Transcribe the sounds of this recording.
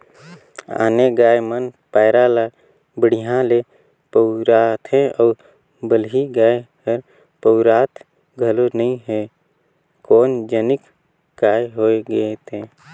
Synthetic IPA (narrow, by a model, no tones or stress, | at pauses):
a̰ːneɡaːjmənpaːɪɾala | bəɽ̤iɦãle | pəʊɾaːt̪ʰɦɛ̃ɔːɾ | bəlɦiɡaːe | əɾ | pəʊɾaːt̪ʰ | ɡʱəlonəĩɦɛ | koːnd͡ʒənɪk | ɡaːjɦoːeɡet̪ẽː